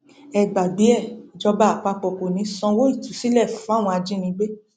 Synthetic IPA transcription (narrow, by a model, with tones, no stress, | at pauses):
ɛ˨ɡ͡ba˨bi˨˦ɛ˦˨d͡ʒɔ˧ba˧˦a˨k͡pa˧˨k͡pɔ˨ko˨nĩ˨˦sɔ̃˧wo˦i˦˨tu˨˦si˦lɛ˦˨fũ˨˦a˦˨w̃ɔ̃˧a˧d͡ʒĩ˦nĩ˧ɡ͡be˦